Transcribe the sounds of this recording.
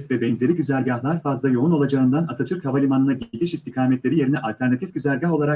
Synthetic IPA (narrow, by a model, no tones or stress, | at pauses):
svɛbɛnzʲe̞ɾiɟyzælʲɟahlˠaɾfazlˠajo̞uno̞lˠad͡ʒaɯnd̪anat̪ʰat̪ʰyɾchavalʲimanɯnaɟiɟʲiʃist̪ʰikʰaːmɛt̪lʲeɾije̞ɾinɛʔalʲt̪ʰæɾnat̪ʰifɟyzæɾʲɟaɦo̞lˠaɾa